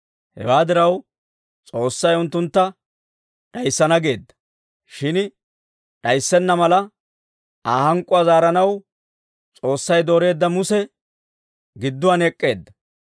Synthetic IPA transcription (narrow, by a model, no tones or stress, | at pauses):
hɛ̰waːd̪ɪɾɐw | t͡sʼo̞ːsːɐjʊnt̪ːʊnt̪ːɐ | ᶑɐjsːɐnɐɡe̞ːd̪ːɐ̥ | ʃɪn | ᶑɐjsːɛnːɐmɐlɐ | aːhɐŋkʼʊazaːɾɐnɐw | t͡sʼo̞ːsːɐjd̪o̞ːɾe̞ːd̪ːɐmʊsɛ | ɡɪd̪ːʊɐnɛkʼːe̞ːd̪ːɐ